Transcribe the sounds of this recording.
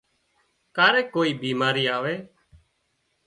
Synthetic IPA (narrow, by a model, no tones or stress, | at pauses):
kaːɾeːkoːiːbiːmaːɾiːaːʋeː